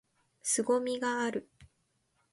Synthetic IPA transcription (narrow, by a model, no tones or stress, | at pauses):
sɨɡo̞mʲiɡaːɾɯ̟